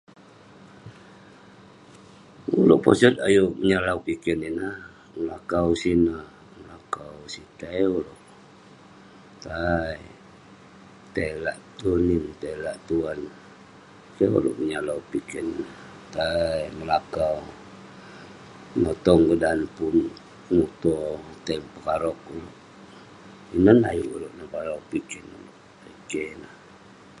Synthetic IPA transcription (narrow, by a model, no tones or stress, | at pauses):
ulo̰ʔpo̰sɔt̪̚a̰juʔməɲalaupikininah | məlakawsina | məlakawsit̪ajuloʔ | t̪aj | t̪eilaʔt̪unint̪eilaʔt̪uan | keo̰lɔ̰ʔmiɲalaupikɛn | t̪ajməlakaw | nɔt̪ɔŋɡədanpun | nut̪ot̪aŋpəkaɾɔk̚uloʔ | inɔna̰jṵʔṵloʔnapalaupikɛnuloʔ | aikena